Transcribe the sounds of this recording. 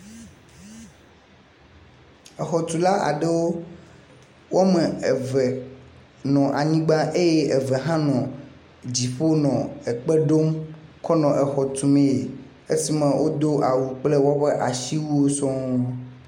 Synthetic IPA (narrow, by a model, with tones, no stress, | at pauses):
ɛ˨xɔ˨t̪u˨la˦a̰˨ɖe˦wo˦ | wo˦a˦me˨vɛ˨ | nɔ̃˨ʔa˨ɲĩ˦ɡ͡ba˦ʔe˦je˦e˨vɛ˨ɦã˦nɔ̃˨ | d͡ʑi˨ɸo˦nɔ̃˨ɛ˨k͡pɛ˦ɖo˦mkɔ˦nɔ̃˨ʔɛ˨xɔ˨t̪u˨mẽ˦˨e˨ | e˦si˦mɛ̃˨wʔo˦d̪o˦ʔa˨wu˨k͡ple˦wɔ˦ɸɛ˦ʔa˨ʃi˦wu˦wo˦sɔ̃˦o˦